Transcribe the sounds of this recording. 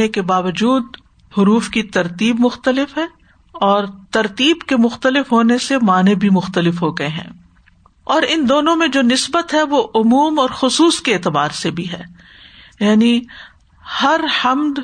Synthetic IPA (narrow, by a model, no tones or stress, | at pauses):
ekebaːʋəd͡ʒuːd̪̚ | hʊɾuːfkit̪ɐɾt̪iːbmʊxt̪əlɪfɦɛː | ɔːɾt̪ɐɾt̪iːbkemʊxt̪əlɪfɦoːnesemaːnebʱimʊxt̪əlɪfɦoːɡɐeɦɛ̰̃ː | ɔːɾɪnd̪oːnõmẽd͡ʒoːnɪsbət̪ɦɛʋoʔʊmuːmɔːɾxʊsuːskeeːt̪ɪbaːɾsebʱiɦɛː | jaːni | hɐɾhɐmd̪